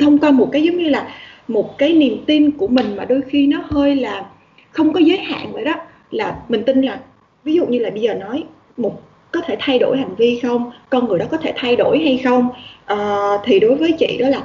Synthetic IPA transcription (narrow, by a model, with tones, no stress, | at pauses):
t̪ʰə˧wŋ͡mkwaː˧mo˨˩t̚kaː˨˦jzə˨˦ŋ͡mɲɨ˧laː˨˩mo˨˩t̚kaː˨˦jni˨˩əmt̪i˧nku˧˩əmï˨˩ŋ̟maː˨˩ɗo˧jxi˧nɔ˨˦həː˧jlaː˨˩ | xə˧wŋ͡mkɔ˨˦zəː˨˦jha̰ː˧˨nvə̰ː˧˨jɗɔ˨˦ | laː˨˩mï˨˩ŋ̟t̪ï˧nlaː˨˩ | vi˨˦zṵ˧˨ɲɨ˧laː˨˩ɓə˧jzəː˨˩nɔ˨˦j | mo˨˩t̚ | kɔ˨˦t̪ʰe˧˩t̪ʰa˧jɗo˧˩jha˨˩jŋ̟vi˧xə˧wŋ͡mkɔ˧nŋɨ˨˩əjɗɔ˨˦kɔ˨˦t̪ʰe˧˩t̪ʰa˧jɗo˧˩jɦa˧jxə˧wŋ͡mʔəː˨˩t̪ʰi˨˩ɗo˨˦jvəː˨˦jt͡ɕḭ˧˨ɗɔ˨˦laː˨˩